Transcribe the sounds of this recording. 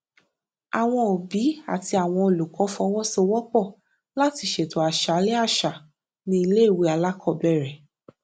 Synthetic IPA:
a˨w̃ɔ̃˧o˨bi˨˦a̰˨ti˧a˨w̃ɔ̃˧o˨lu˨kɔ̃˨˦fɔ˧˦wɔ˦so˧wɔ˦k͡pɔ˦˨ | la˦ti˧˦ʃe˨to˨˦a˨ʃa˨˦lɛ˦a˦˨ʃa˨ | nĩ˧i˧le˦˨we˧˦a˧la˦kʰɔ˦˨bɛ˦˨ɾɛ˨

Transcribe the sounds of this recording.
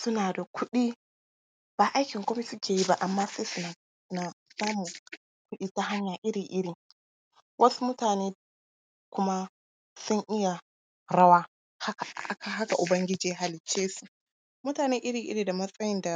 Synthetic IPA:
sʊ˦naː˨da˨kʷʰʊ˦ɗiː˦ | b̥aː˨ʔa˦jkʲɪ˨ŋkʷo˦mi˦sʊ˦kʲeː˨ji˦ba˦ʔa˨mːaː˦sa˦jsʊ˦na˨˦ | naː˨saː˦mʊ˨ | kʷʊ˦ɗiː˦ta˦ɦa˦ɲjaː˨ʔɪ˦ɾɪ˨ŋʔɪ˦ɽi˨ | wʔɐ˦su˦mʊ˦taː˨neː˦ | kʷʊ˦ma˦ | sʊ˦ŋʔɪ˦ja˨ | ɾɐ˦waː˦ | ha˦ka˨˦kʰa˨ɦa˦ka˨ʔʊ˨bɐ˦ŋɡʲɪ˦d͡ʒiː˨˦a˨ɦa˨lɪ˨t͡ʃːeː˦su̥˦˨ | mʊ˦taː˨neː˦ʔɪ˦ɽɪ˨ŋʔɪ̰˦ɾi˨da˨mɐ˦sʼɐ˦jɪ˦nda˨

